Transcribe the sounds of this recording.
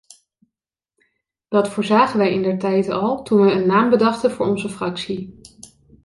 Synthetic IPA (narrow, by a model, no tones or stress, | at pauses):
d̥ɑtfʊːɹzaːχənʋɛjɪndəɹtɛjtɑlˠtunʋɛənːaːmbədɑχtəvʊːɹɔnzəfrɑksi